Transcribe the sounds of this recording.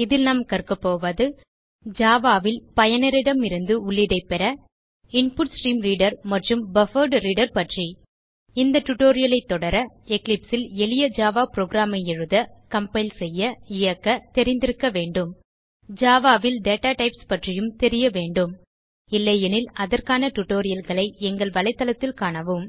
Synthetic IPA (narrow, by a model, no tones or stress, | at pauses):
ɪðɪlnɐmkɐrkɯpːoːʋɐðɯ | d͡ʒaːʋaːʋɪlpɐjɐnɪɾɪɽɐmɪɾɯnd̪ɯʊɭːɪɽɐɪpɛɾɐ | ɪɳpʊʈsʈɾiːmliːɽɐɾmɐʈrɯmbɐfɐɾɖɾiːɽɐɾpɐʈri | ɪnd̪ɐʈːʊʈoːɾɪjɐlɐɪt̪ːɔɽɐɾɐ | ɛklɪpsɪlɛlɪjɐd͡ʒaːʋaːpɾoːɡɾaːmɐjɛɻɯðɐkɐmpɐɪlsɛjːɐɪjɐkːɐt̪ɛɾɪnd̪ɪɾɯkːɐʋeːɳɖɯm | d͡ʒaːʋaːʋɪlɖeːʈaːʈɐɪpspɐʈrɪjɯmt̪ɛɾɪjɐʋeːɳɖɯm | ɪlːɐjɐnɪlɐðɐrkaːnɐʈʊʈːoːɾɪjɐlɣɐɭɐɪɛŋɡɐɭʋɐɭɐɪt̪ːɐlɐt̪ːɪlkaːɳɐʋɯm